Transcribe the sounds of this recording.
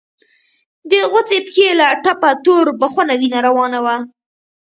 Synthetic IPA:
d̪əɣʊt͡sepxelaʈapat̪oɾbaxanawinaɾawɑnawa

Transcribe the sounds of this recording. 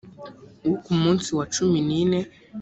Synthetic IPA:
ukumuntiwat͡ʃumininɛ

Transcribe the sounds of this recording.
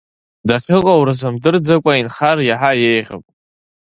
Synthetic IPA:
daχʲɪqʼawɾɨzɨmdɨrd͡zakʷʼainχarjaħajejʁʲa̰pʼ

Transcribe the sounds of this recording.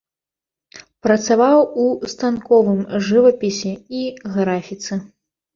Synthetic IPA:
pɾɐt̪savawust̪ankɔvɨmʐɨvɐpʲisʲɛiɣɾafʲit̪sɨ

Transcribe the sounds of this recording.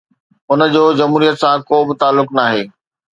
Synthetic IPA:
ʊnəd͡ʑoːd͡ʑɐmɦuːɾijət̪sãkoːbɪt̪aːlːʊknaːɦeː

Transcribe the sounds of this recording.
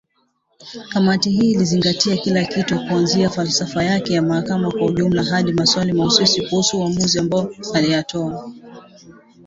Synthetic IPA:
kamatiɦiːliziŋɡatiakilakitukuanziafalsafajakɛjamahakamakwauʄum̩laɦaɗimaswalimauswusikuhusuːamuziambaɔaliatʰɔa

